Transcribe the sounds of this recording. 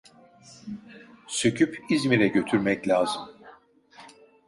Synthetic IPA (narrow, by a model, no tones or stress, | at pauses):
søcʰypizmiɾɛɟø̞t̪ʰyɾmɛclʲaːzɯm